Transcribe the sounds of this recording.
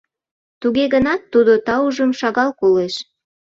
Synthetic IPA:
t̪uɣeɣənɑt̪ːud̪ot̪ɑuʒəmʃɑɣɑlkoleʃ

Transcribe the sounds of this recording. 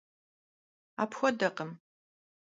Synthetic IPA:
a̰ːpxʷɔdɐqəm

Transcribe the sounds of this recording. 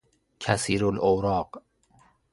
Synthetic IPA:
cʰæsiːɾolowɾɒːq

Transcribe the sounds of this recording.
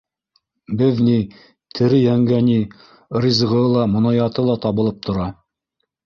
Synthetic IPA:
bɘðni | t̪ʰɘ̆ɾɘjæŋɡæni | ɾizʁɤlˠɑmŏnɑjɑt̪ɤlˠɑt̪ɑβɤ̆lˠɤp̚t̪ʰŏɾɑ

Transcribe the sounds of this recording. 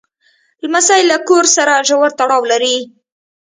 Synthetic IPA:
lmasajlakoɾsaɾaʒawaɾt̪aɽɑwlaɾi

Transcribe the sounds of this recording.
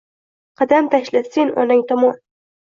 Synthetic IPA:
qʰɑd̪amt̪ʰaʃlɪsenʔɒ̰nɪŋt̪ʰɒmɒn

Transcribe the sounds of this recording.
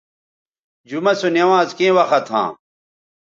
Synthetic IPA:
d͡ʑumɐsonewãːzkẽːwɐxɐt̪ʰɦã̰ː

